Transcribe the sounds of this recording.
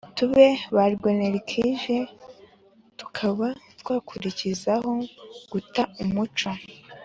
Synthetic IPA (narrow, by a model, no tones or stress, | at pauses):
tuβe̞βaɾɡoneɾikʰiʒe | tu̥kʰaβatwaːkʰuɾicizaho̞ɡ̥utaumut͡ʃo̞